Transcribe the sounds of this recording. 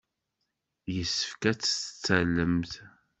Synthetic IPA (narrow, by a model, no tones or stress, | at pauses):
jəsːəfkæt͡sːə̥t͡sːælːəmθ